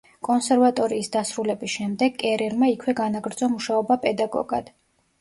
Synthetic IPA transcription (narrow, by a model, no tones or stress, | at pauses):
kʼɔnsɛɾvat̪ʼɔɾiːsd̪asɾulɛbisʃɛmd̪ɛɡkʼɛɾɛɾmaikʰwɛɡanaɡɾd̪zɔmuʃaɔbapʼɛd̪aɡɔ̰ɡa̰d̪̥